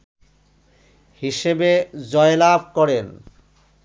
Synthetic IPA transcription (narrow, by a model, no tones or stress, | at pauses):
hiʃebed͡ʑɔelab̚ʱkɔɾen